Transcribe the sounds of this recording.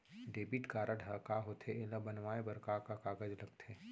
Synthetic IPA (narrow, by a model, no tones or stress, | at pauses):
ɖeːbiʈkaːɾəɖʱɐkaɦot̪ʰeʔelabɐnʋaːebɐɾkakakaːɡəd͡ʒlɐɡ̚t̪ʰeː